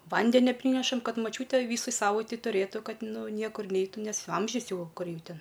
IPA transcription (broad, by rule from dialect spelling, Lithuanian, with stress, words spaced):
ˈʋɐnʲdʲɛnʲɛ ˈpʲrʲiːnʲɛʃɐm ˈkɐt mɐˈt͡ʃʲuːtʲeː ˈʋʲiːsɐɪ ˈsɑːʋɐɪtʲɛɪ tʊˈrʲeːtʊ ˈkɐt ˈnʊ ˈnʲiɛkʊr ˈnʲɛɪtuː nʲɛs ˈɐmʲʒʲʊs ˈjɛʊ ˈkʊr ˈjɛʊ ˈtʲɛn